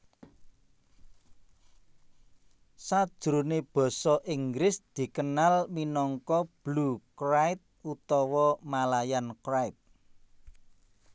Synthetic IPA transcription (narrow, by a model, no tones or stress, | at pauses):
sad̥ʒ̥ɾuneb̥ɔ̤sɔʔiŋɡɾɪsd̪̥i̤kənalminɔŋkɔb̥lukɾait̪̚ut̪ɔwɔmalajankɾait̪̚